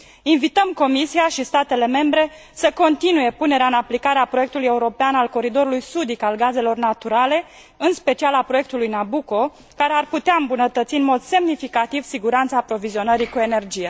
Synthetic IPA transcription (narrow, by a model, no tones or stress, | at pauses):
invit̪əmko̞misiaʃist̪at̪e̞le̞me̞mbɾe̞ | səko̞nt̪inuje̞pune̞ɾeaɨnaplikaɾeapɾoje̞k̚t̪ulujeuɾo̞peanalko̞ɾid̪o̞ɾulujsud̪ikalɡaze̞lo̞rnat̪uɾale̞ | ɨnspe̞t͡ʃialapɾo̞je̞k̚t̪ulujnabuko̞ | kaɾe̞arput̪eaɨmbunət̪ət̪siɨnmo̞d̪se̞mnifikat̪iv̥siɡuɾant̪saːpɾo̞vizionəɾikue̞ne̞rd͡ʒije